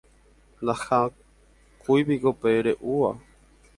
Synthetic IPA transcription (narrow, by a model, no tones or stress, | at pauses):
naxã | kujpikopeɾeʔua